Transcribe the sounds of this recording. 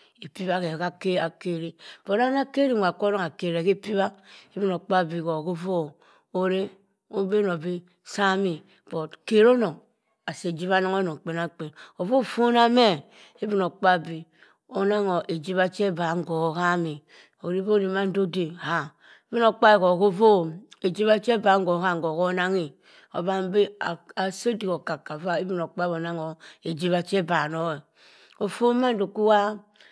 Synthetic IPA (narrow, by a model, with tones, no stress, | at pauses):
e˨pi˦βa˦ke˨ka˦ke˦a˨ke˦ɾi˦b̥o˨ɾa˦n˦a˦ke˦ɾi˦mʷa˨ko˦no˦ŋa˨ke˨ɾe˨ke˦pi˦ba˦e˦bi˦no˨k͡pa˦bi˨ko˨ko˦vo˦ | o˨ɾe˦ | o˦be˦no˨bi˦ | sa˦mi˨ | b̥o˨tke˨ɾo˦no˨ŋ | a˨se˨d͡ʒi˦βa˦na˦ŋo˦no˨k͡pe˨na˦˨k͡pe˨no˨vo˦˨fo˦na˦me˦ | e˦bi˦no˨k͡pa˦bi˨ | o˨na˦ŋo˨ʔe˨d͡ʒi˦βa˦t͡ʃe˦ba˨˦ŋ˦ɡo˨ka˦mi˨ | o˨ɾi˦bo˦ni˨ma˦n̩˦do˦de˨ha˨ | e˦bi˦no˨k͡pa˦e˨ko˨ko˦vo˦e˨d͡ʒi˦βa˦t͡ʃe˦ba˨˦ŋ˦ɡo˨˦ka˦˨ŋ˨ɡo˨ko˦na˦ŋi˨ | o̰˨ba˦bi˦˨a˨so˦di˨ko˨ka˨ka˨va˦e˦bi˦no˨k͡pa˦bo˨na˦ŋo˨e˨d͡ʒi˦βa˨t͡ʃe˦ba˨no˦e˨ | o˨fo˦ma˦n˦do˨ku˦wa˦